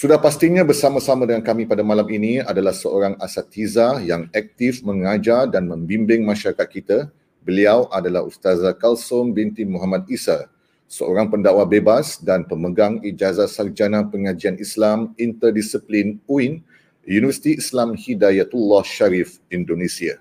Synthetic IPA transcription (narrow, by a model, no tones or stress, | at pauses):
sudahpast̪iɲãbərsamãsamadəŋankamĩpadamalaminiadalahsəʔoɾaŋasat̪izajaŋak̚t̪ifmə̃ŋad͡ʒardanmə̃mbimbɪŋmãʃaɾakat̪̚kit̪a | bəliawʔadalahust̪azakalsʊmbint̪imuɦamãt̪̚isa | səo̰ɾaŋpəndawabebasdanpəməɡaŋid͡ʒazat̪sard͡ʒanãpəŋãd͡ʒianislamint̪ərdisiplinuin | junivərsi̥t̪iislamhidajat̪ulːɔhʃaɾif | indonẽsia